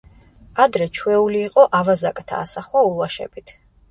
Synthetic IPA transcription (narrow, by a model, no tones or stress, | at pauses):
ad̪ɾɛt͡ʃʰwɛuliːqʼɔʔavazakʼt̪ʰa̰ːsaχɔuaʃɛ̰b̥it̪ʰ